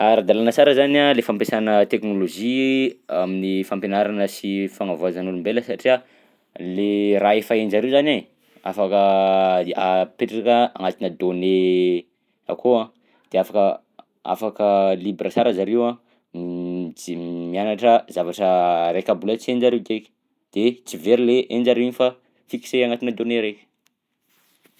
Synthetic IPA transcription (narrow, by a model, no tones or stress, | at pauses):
aɾad̪alanəsaɾəzanalefampesanət̪eknoloʒiaminifampenaɾanəsifaŋavazanulumbeləsaʈ͡ʂia | leraefaend͡ʒaɾewzana | a̰fakə | apeʈ͡ʂakəa̰ŋat̪inəd̪one | a̰kʰoã | d̪̥eafakə | a̰fakəlibɾasaɾazaɾewã | imianaʈ͡ʂəzavaʈ͡ʂəɾekʲabulat͡siend͡ʒaɾewɡekʲ | d̪̥et͡siveɾileʔend͡ʒaɾenifa | fiki̥seaŋat̪inəd̪oneɾekʲə̥